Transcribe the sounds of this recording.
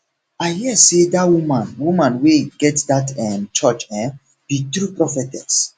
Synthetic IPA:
ahiasedatwumãnwumãnweɡɛtsdatɛmt͡ʃɔt͡ʃɛ̃ | b̥it̪ɾupɹɔfɛtɛks

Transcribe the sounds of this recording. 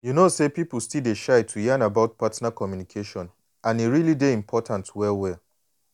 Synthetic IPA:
junosepipl̩stildeʃaɪtʰujanabaʊt̚patnakɔmjunikʰeʃɔ̃n | ãniɹilideĩmpʰɔtʰãntwɛwɛ

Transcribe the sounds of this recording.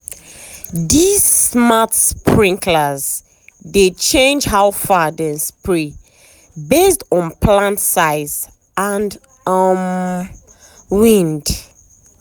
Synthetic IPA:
dizmatspʰɹĩŋkʰləz | det͡ʃẽnd͡ʒɦaʊfadɛ̃nspɹi | bestɔ̃npʰlãntsaɪz | ãnd | ʌm | wĩnd

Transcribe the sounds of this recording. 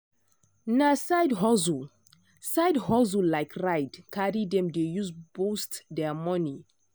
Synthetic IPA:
nasajdɦɔzu | saɪdɦɔz̬ulaɪkɹaɪdkaɹidɛ̃mdejusb̥ostdɛmɔni

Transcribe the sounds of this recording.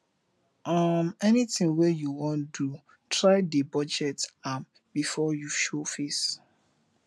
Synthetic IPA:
amɛnitĩŋwɛjuwɔ̃ndu | tʰɹaɪdəbɔd͡ʒɛtam | bifɔjuʃofes

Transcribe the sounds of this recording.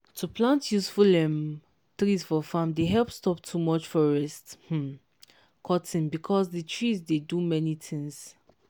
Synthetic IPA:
tʰuplãntʰjusfulɛ̃m | tɹisfɔfãmdeɦɛlˠpstɔp̚tʰumɔt͡ʃfɔɹɛsth̩ | kʰɔtʰĩnbikʰɔsditʰɹizdedumɛnit̪ʰĩŋs

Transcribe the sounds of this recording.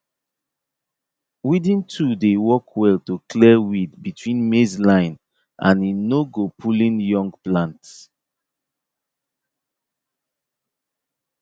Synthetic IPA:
widĩntʰudewɔkʰwɛltokʰlɛwidbitʰwĩnmezlãɪ̃n | ʔã̰ninoɡopʰulĩnjɔ̃ŋɡplãnt

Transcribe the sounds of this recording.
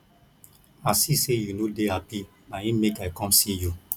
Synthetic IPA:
asisejunodeapi | maĩmekajkɔ̃msiju

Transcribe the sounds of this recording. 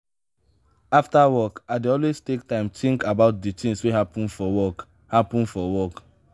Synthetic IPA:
aftawɔkaɪdeɔlwestek̚tãɪ̃mtʰĩŋkabaʊt̚ditĩŋsweɦapũnfɔwɔk | hapũnfɔwɔk

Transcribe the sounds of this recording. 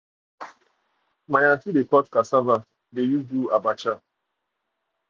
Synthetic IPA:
maɲatidekɔtkasava | dejubuabat͡ʃa

